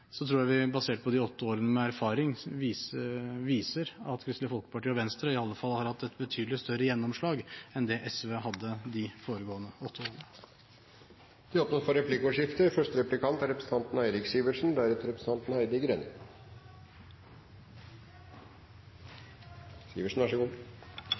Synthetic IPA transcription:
sɔt̪ʰɾuːɾjæɪʋɪbɑseːʈ̚pʰɔd̪ɪɔt̪ːəoːɾənəmɛæɾfɑːɾɪŋː | ʋiːsəɾɑt̪kʰɾɪst̪lɪəfɔlkə̥pɑʈiːɔʋɛnst̪ɾəɪɑlːəfɑlːhɑɾhɑt̪ːɛt̪bət̪ʰyːd̪lɪst̪œɾəjɛnːɔmʂɭɑːɡɛnd̪ɛʔɛsʋehɑd̪ːəd̪ɪfoːɾəɡoːənəɔt̪ːəoːɾənə | d̪̥ɛɔpnɔɾfɔɾɛplɪkoːʂɪft̪əɾfœʂtəɾɛplɪkʰɑnt̪æɾɛpɾəsn̩t̪ʰɑnt̪n̩æɪɾɪksiːʋəʂn̩d̪æɾɛt̪əɾɛpɾəsəɑnt̪n̩hæɪd̪ɪɡɾeːnə | siːʋəʂɳ̩ʋɑʂəɡuː

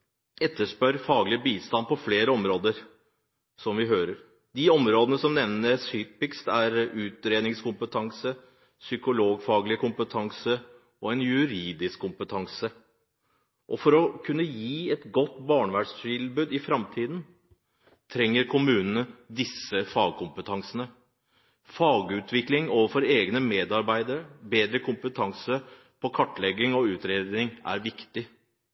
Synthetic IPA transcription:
ɛt̪ːəʂpœɾfɑːɡlɪəbiːst̪ɑnpɔfleːɾəɔmɾoːd̪əɾ | sɔmʋɪɦøːɾəɾ | d̪ɪɔmɾoːd̪ənəsɔmnɛʋnəsyːpɪkst̪æɾʉːt̪ɾeːd̪nɪŋskʊmpət̪ʰɑŋsə | sʏkʊloːɡfɑːɡlɪkʰʊmpət̪ʰɑŋsə | ɔɛnjʉɾiːd̪ɪskʰːʊmpət̪ʰɑŋsə | ʔɔfɔɾɔkʰʉnːəjiːɛt̪ɡɔt̪ːbɑːɳʋæɖʂt̪ɪlbʉːd̪ɪfɾɑmt̪ʰiːd̪n | t̪ʰɾɛŋːəɾkʰʊmʉːnənəd̪ɪsːəfɑːɡ̚kʰʊmpət̪ʰɑŋsənə | fɑːɡʉːt̪ʰʋɪklɪŋoːʋəɾfɔɾeːɡnəmeːd̪ɑɾbæɪd̪əɾəbeːd̪ɾəkʰʊmpət̪ʰɑŋsə | pʰɔkʰɑʈːlɛɡːɪŋɔʉːt̪ɾeːd̪nɪŋæ̰ɾʋɪkt̪ɪ

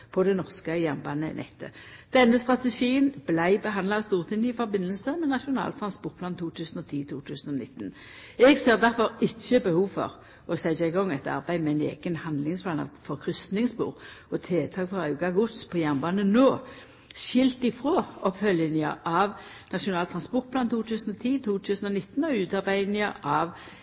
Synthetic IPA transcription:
pʰɔd̪ɛnɔʁskəjæʁnbɑːnə̰nʔɛ̰t̪ʰːə̰ | d̪̥ɛnːəst̪ʁɑt̪əʃiːənb̥læɪbəɦɑnd̪lɑɑst̪uːʁt̪ʰɪŋɪfɔʁbɪnːəlsəmɛnɑʃʊnɑ̰ːlt̪ʰɾʁɑnspɔʁt̪̚pʰlɑːnt̪ʰuːt̪ʰʉːsən̩ɔt̪ʰiːt̪ʰuːt̪ʰʉːsənɔnɪt̪ːn̩ | ɛɡseːʁd̪æʁfɔʁɪçːəbəhuːʋfɔ̰ʁ | ɔsæɪsæɪɡɔŋːɛt̪ɑ̰ʁbæɪmɛæɪnḛːɡ̥ənhɑnd̪lɪŋspʰlɑːnɑ̰ʋfɔʁkʰʁʏst̪nɪŋsbṵːʁɔt̪ʰeːt̪ʰɑːɡfɔʁɑʉɡɑɡʊt̪spʰɔjæʁnbɑːnənoː | ʃɪlt̪ɪfʁoːɔpfœljənɪə̰ʔɑʋ | nɑʃʊnɑːlt̪ʰʁɑnspɔʁt̪̚pʰlɑːnt̪ʰuːt̪ʰʉːsən̩ɔt̪ʰiːt̪ʰuːt̪ʰʉːsən̩ɔnɪt̪ːn̩ɔʉːt̪ɑʁbæɪnɪəʔɑʋ

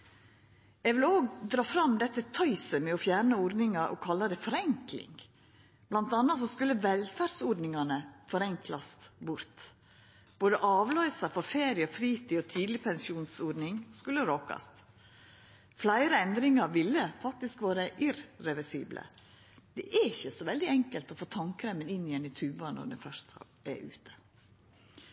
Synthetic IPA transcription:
ɛʋɪloːɡd̪ɾɑːfɾɑmd̪ɛt̪ːət̪ʰœʏsəmɛɔfjæːɾɳəɔɖ̪nɪŋɑɾʔɔ̰kʰɑlːɑd̪ɛɪfɔɾɛŋklɪ̰ŋ | b̥lɑnt̪ɑnːɑt̪sɔskʉlːəʋɛlfæːɖsɔɖnɪŋɑnəfɔɾɛŋklɑst̪bʊɾt̪ | b̥oːd̪əʔɑːʋlœʏsɑfɔɾfeːɾɪəfɾiːt̪ɪɔt̪ʰiːd̪lɪpʰɛnsɪuːnsɔːɖnɪŋskʉlːəɾokɑ̰st̪ | flæɪɾəɛnd̪ɾɪŋɑɾʋɪlːəfɑk̚t̪ɪskʋɑːɾəʔɪɾɾɛʋɛsḭːblʔə̰ | d̪̥ɛʔɛɪçəsɔʋɛld̪ɪɛŋkəlt̪ɔfoːt̪ʰɑŋkɾɛmənɪnːɪɛnɪt̪ʰʉːbɑnɔ̰ɖɛ̰fœʂt̪ | ɛ̰ʔʉ̰ːt̪ʰə̥

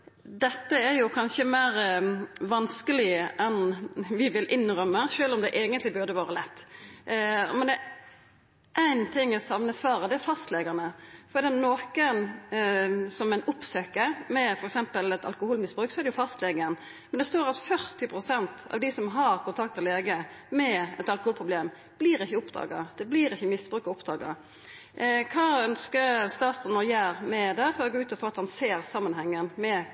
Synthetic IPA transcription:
d̪ɛt̪ːəæɾjʊkʰɑnʃəmæːɾʋɑnskəlɪəʔɛnʋɪʋɪlʔɪnʁœmːəʃøːlɔmd̪ɛʔeːɡənt̪lɪbʉʁd̪əʋɑːɾəlɛt̪ː | mɛnd̪ɛ | ʔæɪnt̪ʰɪŋːɛsɑʋnəsʋɑːɾəd̪ɛæɾfɑst̪leɡənəfɔɾd̪ɛːɑt̪noːkən | sɔmæɪnʊpsøːkəɾmɛfɔɾɛksɛmpəlɛt̪ɑ̰lkʊhuːlmɪsbɾʉːksɔɛɾd̪ɛjʊfɑst̪leɡən | mɛnd̪ɛst̪oːɾɑt̪fœɾt̪ɪpʰɾʊsɛnt̪ɑ̰ʋd̪ɪsɔmɦɑɾkʊnt̪ʰɑkt̪ːɛleːɡəmɛɛt̪ɑlkʊhuːlpʰɾʊbleːm | b̥liːɾɪçːəʊpd̪ɑ̰ːɡɑ̰d̪̥ɛbliːɾɪçːəmɪsb̥ɾʉːkɑʊpd̪ɑːɡɑ̰ | kʰɑːœnskəɾst̪ɑːt̪st̪ɑnɔɾjæɪɾmɛd̪ɛfɔɾɔɡoːʉːt̪ɔfoːɑt̪hɑnseːɾsɑmːənhɛŋːənmɛ

